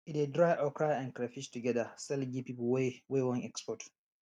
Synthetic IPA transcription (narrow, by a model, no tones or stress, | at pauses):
itedɾajʔɔkʰɹajɛ̃nkɾɛfiʃtuɡɛdasɛlɡipiplwwewɔ̃nɛkspɔt